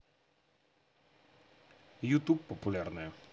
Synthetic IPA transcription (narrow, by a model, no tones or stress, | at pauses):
jut̪upːɔpulʲaɾnɛ